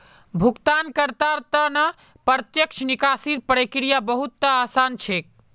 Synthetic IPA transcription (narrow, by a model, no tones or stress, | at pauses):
bʱukt̪ankəɾt̪aɾt̪ənə | pəɾt̪jəkt͡ʃʰnikasiɾpɾəkɾijabəɦut̪ːəasant͡ʃʰek̚